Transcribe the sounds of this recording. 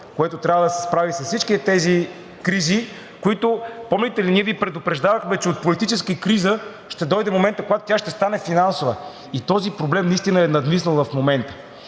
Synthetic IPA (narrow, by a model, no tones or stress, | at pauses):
koɛt̪ot̪ɾʲavəd̪ɐsɛspɾavisɐssːit͡ʃkit̪ɛt̪ɛzi | kɾizi | koit̪ʊpɔmlit̪ɛliniɛvipɾɛd̪ʊpɾɛʒd̪avəxmɛt͡ʃɛot̪̚polit̪it͡ʃɛskəikɾizə | ʃt̪ɛd̪ɔjd̪ɛmomɛnt̪əkoɡat̪o̥t̪ʲjaʃt̪ɛst̪anɛfinansovə | it̪ɔzipɾoblɛmnɐist̪inəɛnɐd̪misnəlˠvɐfmomɛnt̪ə̥